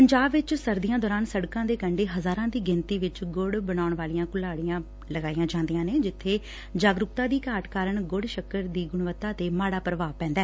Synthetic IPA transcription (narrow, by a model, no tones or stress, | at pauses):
pəɲd͡ʒaːbʋɪt͡ʃsəɾd̪ijãːd̪ɔːɾaːnsəɽkãːd̪eːkəɳɖeːɦəzaːɾãːd̪iːɡɪnt̪iːʋɪt͡ʃɡʊɽbənaːʊɳʋaːlijãːkʊlaːɽijãː | ləɡaːijãːd͡ʒãːnd̪ijãːneːd͡ʒɪt̪ʰːeː | d͡ʒaːɡɾʊk̚t̪ãːd̪iːkaːʈkaːɾəɳɡʊɽʃəkəɾd̪iːɡʊɳʋət̪ːaːt̪eːmaːɽaːpɾəʋaːpɛ̃ːnd̪ɛː